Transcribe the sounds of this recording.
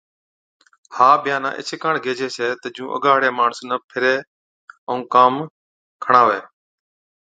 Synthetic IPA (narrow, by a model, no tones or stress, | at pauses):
haːbɪjaːna̰ːʔɪ̰t͡ʃʰekaːɳɡʱeːd͡ʒʱeːseːt̪əd͡ʒũːʔə̰ɡaːɽeːmaːɳəsnəpʰɪɾeː | əũːkaːm | kʰəɳãːʋeː